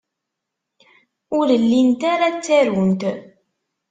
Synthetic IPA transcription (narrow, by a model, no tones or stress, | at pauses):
ʊɾəlːint̪aɾat͡sːæɾwənt̪